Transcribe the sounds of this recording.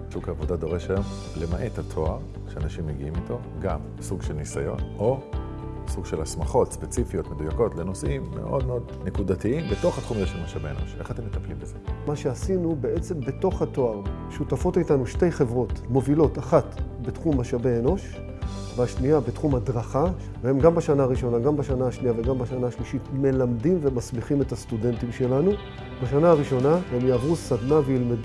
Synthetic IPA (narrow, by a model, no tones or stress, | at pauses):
sukhaːvodado̞ʁeʃajom | lemaʔet̪atʰo̞aʁ | ʃeanaʃimːeɡiimito̞ | ɡam | suɡʃelnisajo̞̰no̞ | suɡʃe̞lasmaχo̞tspet͡sifijo̞tme̞dujako̞tle̞no̞simːe̞̰ʔo̞̰d̪meo̞d̪nekudatiimbeto̞χhatχumajeʃlamaʃaveeno̞̰ʃe̞χat̪e̞mːet̪aplimbezemaʃe̞asinubeʔet͡se̞mbe̞to̞χhato̞aʁ | ʃutafo̞titanuʃte̞jχevʁo̞tmo̞vilo̞taχatbetχumhaʃaveːno̞ʃ | veaʃniabetχumhadʁaχa | vee̞mɡambaʃanaːʁiʃo̞naɡambaʃanaːʃniave̞ɡambaʃanaːʃliʃitme̞lamdimvemasbiχime̞tast̪ude̞ntimʃe̞lanu | b̥aʃanaːʁiʃo̞nahe̞mjaːvʁusad̪navejilmed